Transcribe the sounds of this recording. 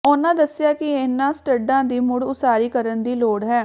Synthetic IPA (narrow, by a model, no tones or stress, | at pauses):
ʊnãːd̪əsːɪjaːkɪɪnːãːsʈəɖːãːd̪iːmʊɽʊsaːɾiːkəɾənd̪iːloːɽɦɛː